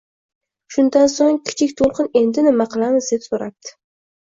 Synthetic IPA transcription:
ʃʊnd̪ansoŋkʲʰɪ̥t͡ʃʰɪkʲt̪ʰolˠqɨne̞nd̪ɪnɪmaqɨlˠamɪzd̪e̞psoɾap̚t̪ɪ̥

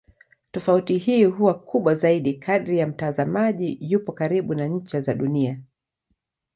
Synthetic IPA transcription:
tɔfautihiːɦuwakuɓwazaiɗikʰaɗɾijam̩tazamaʄijupɔkaɾiɓunaɲ̩t͡ʃazaɗunia

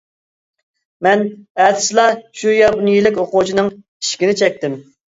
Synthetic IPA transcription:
mɛnɛd̪ɪ̥slˠɑʃujɑbunɨjilɪkʲoqʊt͡ʃʰinɨŋ | i̥ʃkʲinɪt͡ʃʰɛk̚ʲt̪ɪm

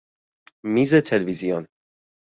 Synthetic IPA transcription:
miːzet̪ʰelvizijon

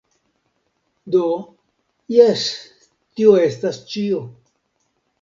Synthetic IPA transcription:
d̪o | jes | tioestast͡ʃio

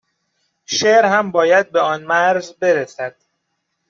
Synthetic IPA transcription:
ʃeːɾhæmbɒːjæd̪̚beɒːnmæɾzbe̞ɾesæd̪̥

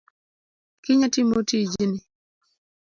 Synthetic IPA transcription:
kɪɲatimotid͡ʒinɪ

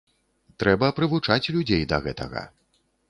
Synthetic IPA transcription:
t̪ɾɛbɐpɾɨvut͡ʂat͡sʲlʲud͡zʲejd̪ɐɣɛt̪ɐ̰ɣɐ̰

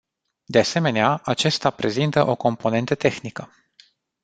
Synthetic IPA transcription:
d̪e̞ase̞me̞neaʔat͡ʃe̞st̪apɾe̞zint̪əʔo̞ko̞mpo̞ne̞nt̪ət̪e̞xnikə

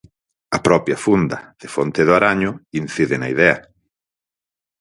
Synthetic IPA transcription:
ɐpɾɔpjɐfund̪ɐð̥efont̪eðʊaɾaɲʊin̟θiðɪnɐiðɛɐ

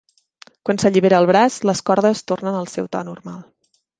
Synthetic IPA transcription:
kwansəʎiβ̞eɾəːlˠβɾasləskɔɾðəst̪ornənəlˠsɛwt̪ɔ̰nurmalˠ

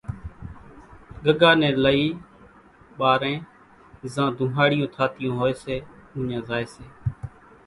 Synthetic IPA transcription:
ɡəɡaːnɛ̃ːləiː | ɓaːɾẽː | zãːd̪ʱʊ̃ːɦaːɽɪjõːt̪ʰaːt̪ɪjõːɦoːeːseːʊ̃ːɲãːzaːeːseː

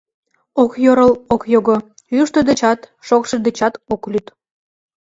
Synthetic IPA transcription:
okjoɾəlokjoɣo | jyʃt̪od̪ĕt͡ɕɑt̪ʃokʃĕd̪ĕt͡ɕɑt̪oklʲyt̪

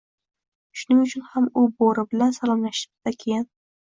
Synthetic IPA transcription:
ʃʊnɪŋʊt͡ʃʰʊnhamʊboɾɪbɪlansalˠɒmlaʃɪ̥d̪̥akʲʰejɪn

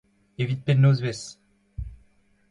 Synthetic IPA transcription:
evit̪̚pɛnːozvɛs

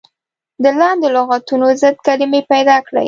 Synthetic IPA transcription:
d̪əlɑnd̪ɪloɣɑt̪unozəd̪̚kalɪmepajd̪ɑkɽa̰j

